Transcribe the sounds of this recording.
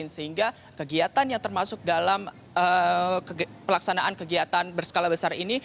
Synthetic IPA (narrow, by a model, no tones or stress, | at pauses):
ɪnsəhiŋɡa | kəɡiat̪anjaŋt̪ərmasʊk̚dalam | ə | pəlaksanaʔankəɡiat̪anbərsə̥kalabəsarini